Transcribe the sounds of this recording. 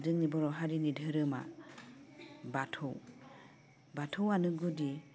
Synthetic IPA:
dɯŋnibɔɾɔɦaɾinidʱɯɾɯma̰ | batʰow | batʰowanɯɡudi

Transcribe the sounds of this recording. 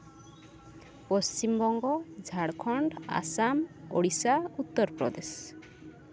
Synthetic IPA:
pɔst͡ʃimbɔŋɡɔd͡ʒʱaɽkʰɔɳɖa̰samoɽisaut̪ːɔɾpɾɔ̰d̪es

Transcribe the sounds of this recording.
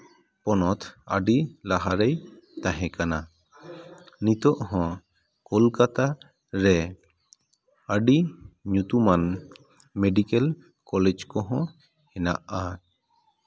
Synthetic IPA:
pɔnɔt̪ʰa̰ɖilaɦaɾej | t̪ãɦɛ̃kana | nit̪ɔʔhɔ̃ | kɔlkat̪a | ɾɛ | aɖiɲut̪uman | meɖikɛl | kɔlɛd͡ʒkɔɦɔ̃ | hɛna̰ʔa

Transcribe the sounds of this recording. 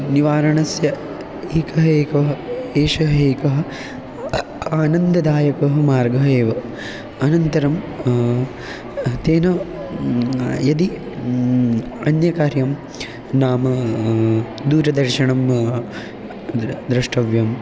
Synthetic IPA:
niʋaːɾɐɳɐsjɐ | eːkɐɦɐeːkɐɦɐeːʃɐɦeːkɐɦɐ̆ | aːnɐnd̪ɐd̪aːjɐkɐɦɐmaːɾɡɐɦɐeːʋɐ | ɐnɐnt̪ɐɾɐm | t̪eːnɐ | jɐd̪i | ɐnjɐkaːɾjɐm | naːmɐ | d̪uːɾɐd̪ɐɾʃɐɳɐm | d̪ɾɐʂʈɐʋjɐm

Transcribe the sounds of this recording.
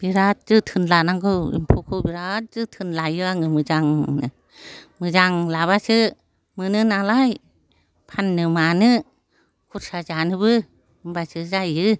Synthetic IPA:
b̥iɾat̚zɯtʰɯnlanaŋɡʰɯḭmpʰukʰɯbiɾat̚zɯtʰɯnlajɯaŋɯmɯzaŋnɯ | mɯzaŋlaβasɯ | mɯnɯnalaj | pʰanːɯmanɯ | kʰuɾsazanɯbɯ | ɯmbasɯzajɯ

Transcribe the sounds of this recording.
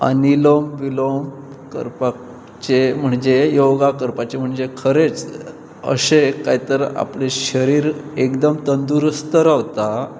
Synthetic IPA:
ə̰nilomʋilom | kə̰ɾpa | t͡ɕem̤əɳd͡ʑejoɡakəɾpat͡ɕem̤əɳd͡ʑekʰəɾet͡s | ə̰ɕekajit̪əɾa̰pleɕəɾiːɾekd̪əmt̪ənd̪uɾəst̪əɾaʋt̪a

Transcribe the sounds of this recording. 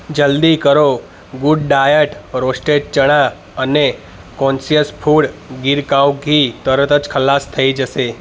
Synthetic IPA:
d͡ʒəld̪ikəɾo | ɡʊɖɖaːjəʈɾoːsʈeʈ̚t͡ʃəɽ̃a | əne | kɔ̃ːnsijəspʰuːɽɡɪɾkawɡʱit̪əɾət̪ət͡ʃkʰəlaːst̪ʰəid͡ʒəse

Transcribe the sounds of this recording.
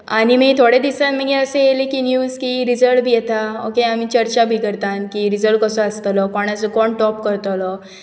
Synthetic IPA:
aɽ̃imit̪ʰoɽed̪isãt̪m̤əɡeəsejelekinjuːzkiɾid͡zəɭbʱijet̪aokeamit͡ɕəɾt͡ɕabʱiːkəɾt̪ãnkiɾid͡zəɭkəsɔəst̪əlɔkɔɽ̃at͡sɔkɔɳʈɔpkəɾt̪ɔlɔ

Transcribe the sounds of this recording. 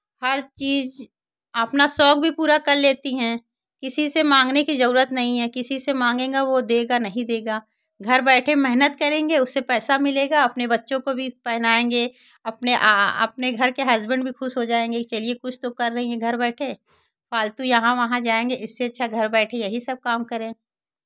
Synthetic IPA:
hɐɾt͡ʃiːz | ɐpnasɔːɡ̚bʱipuːɾakɐɾleːt̪iɦɛ̃ː | kɪsisemãːŋɡnekizɐɾuːɾət̪nɐɦĩɦɛkɪsisemãːŋɡẽːɡaʋod̪eːɡanɐɦĩd̪eːɡaː | ɡʱɐɾbɛːʈʰemɛɦnət̪kɐɾẽːŋɡeʊsːepɛːsamɪleːɡaɐpnebɐtːʃõkobʱipɛɦnaːẽːŋɡe | ɐpneʔaɐ̰pneɡʱɐɾkeɦɐzbə̃ɳɖbʱixʊʃɦod͡ʒaːẽːŋɡet͡ʃɐliekʊt͡ʃʰt̪okɐɾːɐɦĩɦɛ̃ɡʱɐɾbɛːʈʰẽː | faːlt̪ujɐɦãʋɐɦãd͡ʒaːẽːŋɡeɪsːeɐtːʃʰaɡʱɐɾbɛːʈʰejɐɦisɐb̚kaːmkɐɾẽː

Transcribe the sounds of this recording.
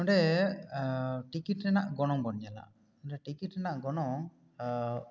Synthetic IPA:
ɔ̃ɳɖɛ | ʈikiʈɾɛnaʔɡɔnɔmɡɔnd͡ʒala̰ʔ | ɔɖɛʈikiʈɾɛnaʔɡɔnɔŋ

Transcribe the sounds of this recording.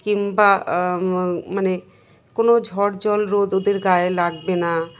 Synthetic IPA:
kimba | məne | konod͡ʒʱɔɽd͡ʒɔlɾod̪ʊd̪eɾɡaːelaɡbena

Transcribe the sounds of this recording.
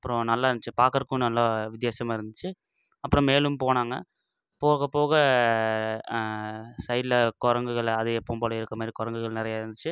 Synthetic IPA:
ɐpːɯɾõnɐlːaːɪɾɯnd̪ɯt͡ʃːɯpaːkɐɾkːɯnɐlːaːʋɪd̪jaːsɐmaːɪɾɯnd̪ɯt͡ʃːɯ | ɐpːɯɾɔ̃meːlɯmpoːnaːŋɡɐ̰ | poːɣɐpoːɣɐ | sɐjlɐkɔɾɐŋɡɯɣɐɭɐðɐɛpːoːmboːlɐɪɾɯkːɐmaːd̪ɾikɔɾɐŋɡɯɣɐɭnɪɾɐjaːɪɾɯnd̪ɯt͡ʃːɯ

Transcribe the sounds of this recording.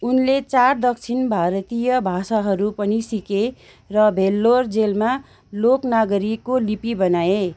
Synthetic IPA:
unlet͡sard̪ʌk̚t͡sʰinbʱaɾʌt̪ijʌbʱasaɦʌɾupʌnisike | rʌbʱelːord͡zelma | loknaɡʌɾikːolipibʌnaje

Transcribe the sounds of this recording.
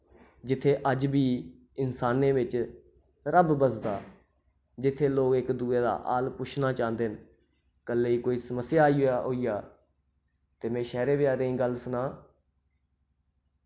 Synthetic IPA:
d͡ʒɪt̪ʰːeːʔəd͡ʒbiː | ɪnsaːnẽːbɪt͡ʃ | ɾəbbəsd̪aː | d͡ʒɪt̪ʰːeːloːkɪkd̪uːeːd̪a̰ːʔa̰ːlpʊt͡ʃʰnaːt͡ʃãːnd̪eːn | kəlːeːiːkoːiːsəməsːɪjaːiaɦoːiːjaː | t̪eːmɛ̃ːʃɛːɾeːbɪjaːɾẽːĩːɡəlsənaː

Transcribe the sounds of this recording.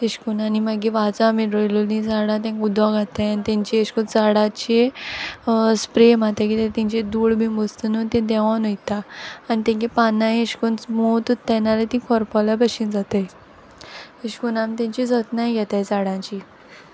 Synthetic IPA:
eɕkunanimaɡiʋat͡samiɽolulnĩd͡zaɽãt̪ãŋkud̪ʋaɡʱat̪ajanit̪ɛ̃ɲt͡ɕieɕkunt͡saɽat͡ɕe | spɾemat̪ãkit̪et̪ĩɲt͡ɕed̪uɽbĩmbost̪ənət̪ẽd̪ɛʋanojt̪aːnit̪ɛ̃ŋkepanːajeɕkunsmot̪ut̪ːɛnalet̪ĩkʰɔɾpɔlabəɕind͡zat̪aj | eɕkunãmt̪ẽɲt͡ɕid͡zət̪najɡʱɛt̪ajd͡zaɽãɲt͡ɕi

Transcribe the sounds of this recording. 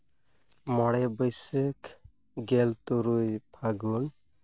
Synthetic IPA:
mɔɽɛbəjsɯk | ɡɛlt̪uɾujpʰaɡun

